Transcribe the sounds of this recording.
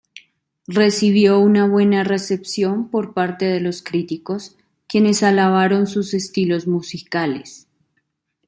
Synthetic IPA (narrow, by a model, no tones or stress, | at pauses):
re̞siβ̞jo̞unaβwe̞nare̞se̞psjo̞mpo̞ɾpaɾt̪e̞ðe̞lo̞skɾit̪iko̞s | kje̞ne̞salaβ̞aɾo̞nsuse̞st̪ilo̞zmusikale̞̰s